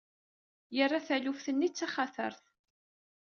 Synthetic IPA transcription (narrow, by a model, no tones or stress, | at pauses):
jərˤːaθælufθənːit͡sːaχaθə̰ɾθ